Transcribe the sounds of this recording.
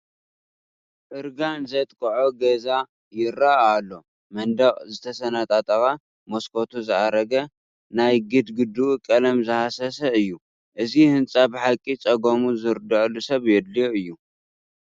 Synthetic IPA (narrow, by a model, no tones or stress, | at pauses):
ʔɨɾɡanzɐt̪ʼkʰʼɐʕoɡɐza | jɪɾaʔːlːo̞ | mɐnd̪ɐχʼzɨt̪ʰɐsɐnat̪ʼat̪ʼɐxa | moskʰo̞t̪ʰuzɨʔaɾɐɡɐ | najɡɨd̪ɡɨd̪ukʼɐlɐmzɨhasɐsɐɨjːu | ʔɨzihɨnt͡sʼabɨħakʼːit͡sʼɐɡomuzɨɾd̪ɐʔlːusɐβjɛd̪liɨjːu